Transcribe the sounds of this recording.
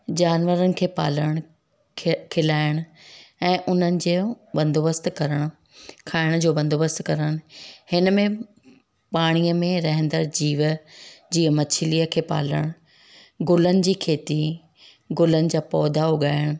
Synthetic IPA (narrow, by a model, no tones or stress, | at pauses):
d͡ʑaːnʋəɾənɪ̆kʰeːpa̰ːləɽ̃ | kʰɪlaːɪɽ̃ʊɛ̃ːʔʊn̤ənɪ̆d͡ʑeː | bɐ̃nd̪oːbəst̪kɐɾəɽ̃ʊ | kʰaːɪɽ̃d͡ʑoːbɐ̃nd̪oːbəst̪kɐɾəɽ̃ʊhɪnəmẽ | paːɽ̃iəmẽɾɐɦə̃nd̪əɾd͡ʑiːʋd͡ʑiːəmɐt͡ɕʰɪliːəkʰeːpa̰ːləɽ̃ | ɡʊlənɪ̆d͡ʑiːkʰeːt̪i | ɡʊlənɪ̆d͡ʑaːpɔːd̪ʱaɦʊɠaːɪəɽ̃ʊ